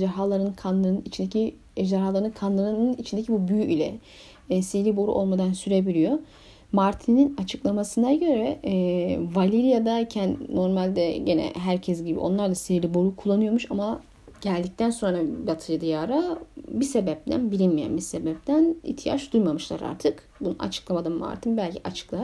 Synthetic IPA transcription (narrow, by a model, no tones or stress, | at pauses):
ʒaɾɦalˠaɾɯnkʰanlˠɯɾɯnɯnit͡ʃʰind̪ecʰi | ɛʒd̪æɾɦaːlˠaɾnɯnkʰanlˠɯɾɯnɯnit͡ʃʰind̪ecʰibubyjyʔilʲɛ̰ | selʲibo̞ɾṵʔo̞lˠmad̪ansyɾe̞bilʲijo̞ | maɾt̪ʰininat͡ʃʰɯklˠamasɯnaɟø̞ɾɛ | valʲiɾijad̪acʰænnːo̞ɾmalʲd̪ɛɟenɛ̰ɦæɾcʰɛs̬ɟibḭʔo̞̰nlˠaɾd̪asilʲibo̞ɾukʰulˠːanɯjo̞ɾmuʃama | ɟælʲd̪ic̚t̪ænso̞nɾabat̪ʰɯjɯd̪ijaɾabisebɛp̚t̪ʰæ̰nbiɾinmijæ̰nbisebɛp̚t̪ʰænḭçt̪ʰija̰t͡ʃd̪ujmamɯʃlˠa̰ɾa̰ɾt̪ʰɯk | bunṵna̰t͡ʃʰɯ̥klˠamad̪anma̰ɾt̪ʰinbælʲcʰiʔat͡ʃʰɯ̥klˠaa